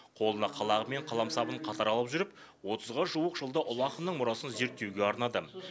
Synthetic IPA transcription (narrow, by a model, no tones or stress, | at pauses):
qʰo̞lˠənɑqʰɑlˠɑʁəme̞ɴqʰɑlˠɑmsɑbəɴqʰɑt̪ɑɾɑlˠəpʒʏɾɪp | wo̞t̪ʰəzʁəʒuəqʒəlˠd̪əʔʊlˠɑqənːəɴmʊɾɑsənze̞ɾt̪ːe̞wɡʲe̞ɑɾnɑd̪ə